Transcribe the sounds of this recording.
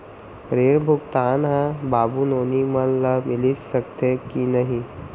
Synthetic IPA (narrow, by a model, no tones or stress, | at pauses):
ɾeːɾbʱʊɡt̪aːnɦãbaːbunoːniməlləmɪlisəkt̪ekinɐɦĩ